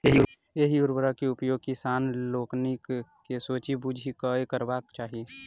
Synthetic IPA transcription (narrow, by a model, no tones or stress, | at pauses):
eɦiʊɾbəɾakeʊpjoːɡ̚kisaːnloːknikkesoːt͡ʃibud͡ʒʱikaekəɾbaːk̚t͡ʃaːɦie